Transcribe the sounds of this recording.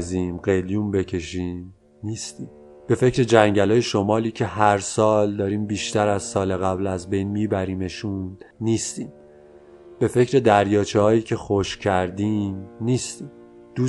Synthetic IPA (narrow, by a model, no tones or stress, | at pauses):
ziːmɢe̞jlijumbe̞cʰe̞ʃiːm | niːst̪iːm | b̥e̞fe̞cʰɾe̞d͡ʒæŋɟælɒːje̞ʃomɒːliːcʰe̞ɦæɾsɒːld̪ɒːɾiːmbiːʃt̪æɾæzsɒːle̞ɣæblæzbe̞jnmiːbæɾiːme̞ʃunniːst̪iːm | b̥e̞fe̞cʰɾe̞d̪æɾjɒːt͡ʃʰehɒːjiːcʰe̞xoʃcʰæɾd̪imniːst̪iːm | d̪̥uː